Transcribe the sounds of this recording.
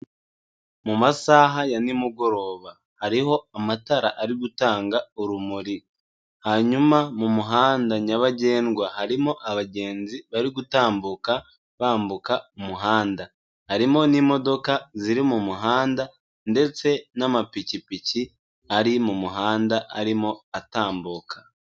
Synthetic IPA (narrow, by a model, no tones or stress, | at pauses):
mumasaːɦajanimuɡo̞ɾo̞ːβa | haɾiɦo̞amataɾa̰ʔaɾiɡutaːŋɡauɾumuɾi | haɲumamumuɦaːndaɲaβaɟe̞ːnɡwahaɾimo̞ʔaβaɟe̞ːnziβaɾiɡutaːmbuka | βaːmbukaumuɦaːnda | haɾimo̞nimo̞do̞kaziɾimumuɦaːnda | nde̞t͡se̞namapicipici | aɾimumuɦaːndaʔa̰ɾimo̞ataːmbukḁ